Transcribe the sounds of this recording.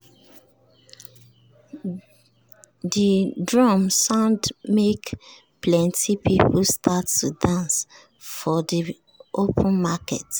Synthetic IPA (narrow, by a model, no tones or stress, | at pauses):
didɹɔmsãʊ̃ndmek | pʰlɛ̃ntipipustʰatːudãns | fɔdi | ʔopʰə̃nmakɛ̰t